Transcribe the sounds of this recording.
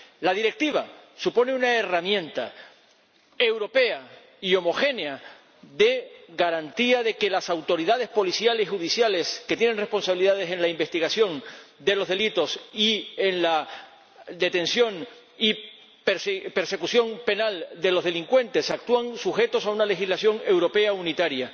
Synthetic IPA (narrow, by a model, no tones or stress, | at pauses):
laðiɾe̞k̚t̪iβasupo̞ne̞unaeramjẽ̞nt̪a̰ | ewɾo̞pe̞a | io̞mo̞xe̞nea | ðe̞ɣaɾant̪iaðe̞ke̞lasawt̪o̞ɾiðaðe̞spo̞lisjalesixuðisjale̞ske̞t̪je̞nenre̞hpo̞nsaβiliðað̞e̞se̞nlaimbe̞st̪iɣasjo̞nd̪e̞lo̞zðe̞lit̪o̞sienla | d̪e̞t̪ẽ̞nsjo̞ŋ | i | peɾspe̞ɾse̞kusjo̞ŋpe̞nald̪e̞lo̞zðe̞liŋkwe̞nt̪e̞sak̚t̪uaŋsuxe̞t̪o̞saunale̞xizlasjo̞ŋe̞wɾo̞pe̞aunit̪aɾja